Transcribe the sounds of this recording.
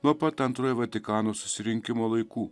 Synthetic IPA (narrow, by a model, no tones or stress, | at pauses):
nuɔpɐt̪ɐnt̪ɾoːjʋɐt̪ʲɪkɑːnoːsʊ̥sʲɪɾʲɪŋʲkʲɪmoːlˠɐɪkuː